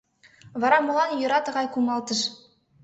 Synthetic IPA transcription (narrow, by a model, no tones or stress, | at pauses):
vɑɾɑmŏlˠɑnjɤ̆ɾɑt̪ɤ̆ʁɑjkumɑlˠt̪ɤ̆ʃ